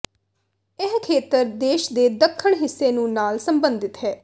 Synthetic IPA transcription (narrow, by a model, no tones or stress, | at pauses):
ɪɦkʰeːt̪əɾd̪eːʃd̪eːd̪əkʰːəɳɦɪsːeːnũːnaːlsəmbə̃nd̪ɪt̪ɦɛː